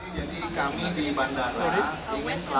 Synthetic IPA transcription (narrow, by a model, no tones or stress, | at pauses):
d͡ʒadikamidibandaɾa | iŋanla